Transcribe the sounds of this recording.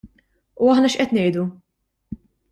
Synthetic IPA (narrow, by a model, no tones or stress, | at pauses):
uɐħnɐʃʔɛt̪nɛjd̪u